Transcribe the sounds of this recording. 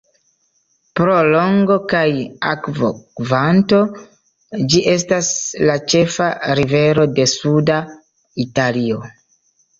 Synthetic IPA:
pɾo̞lo̞ŋɡo̞kaja̰kvo̰kvanto̞ | d͡ʒiʔe̞s̬taslat͡ʃe̞faɾive̞ɾo̞de̞suda | italio̞

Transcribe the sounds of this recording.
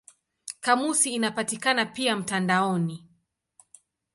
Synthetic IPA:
kamusiːnapatikanapiam̩tandaɔni

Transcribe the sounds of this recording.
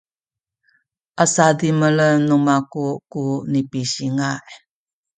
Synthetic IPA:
ʔasadimələnːumakuʔkunipiɕiŋaʔ

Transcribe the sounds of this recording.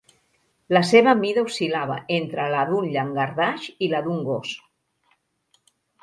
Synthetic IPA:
laseβamiðausilaβ̞a̰ent̪ɾəlaðunʎaŋɡaɾðaʃilaðuŋɡos

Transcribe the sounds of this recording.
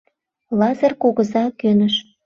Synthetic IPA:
lɑzərkuɣə̆zɑkønə̆ʃ

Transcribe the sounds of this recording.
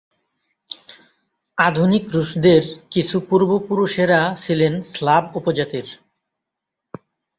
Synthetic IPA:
ad̪ʱunikɾuʃd̪eɾkit͡ɕʰupuɾbopuɾuʃeɾat͡ɕʰilenslabupod͡ʑat̪iɾ

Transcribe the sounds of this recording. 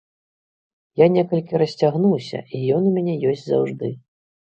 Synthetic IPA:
janʲɛkɐlʲkʲiɾɐsʲt͡sʲaɣnuwsʲɐ̰ijɔnumʲanʲɛjɔsʲt͡sʲza̰wʐd̪ɨ

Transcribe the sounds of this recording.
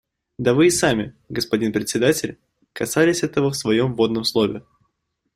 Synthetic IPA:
d̪ɐvɨːsamʲɪ | ɡəspɐdʲinpɾʲɪtʲsʲɪd̪atʲɪlʲ | kɐsalʲɪsʲɛt̪əvəfsvɐjo̞mvo̞d̪nəmslˠo̞vʲɪ̰

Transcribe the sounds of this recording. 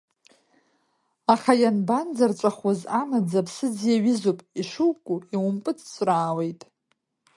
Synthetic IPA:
aχajanband͡zart͡ʃʷʼaχwazanad͡zapʰsɨd͡zjaɥɪzopʼiʂuwkʼuiwʊmpʼɨt͡sʰt͡sʷʼraːwejtʼ

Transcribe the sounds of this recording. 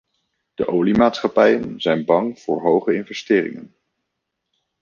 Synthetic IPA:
d̥əʔowlimaːtsχɑpɛjənzɛjnbɑŋv̥ʊːɹɦowχəɪnvɛstɪːrɪ̰ŋə̰n

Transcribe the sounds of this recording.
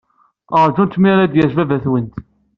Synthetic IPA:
əɾˤd͡ʒunt̪miɾæd̪jəʒvævæθwənt̪

